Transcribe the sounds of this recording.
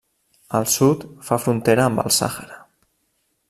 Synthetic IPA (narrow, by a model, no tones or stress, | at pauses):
əlˠsut̪fafɾunt̪eɾəːmbə̰lˠsa̰xəɾa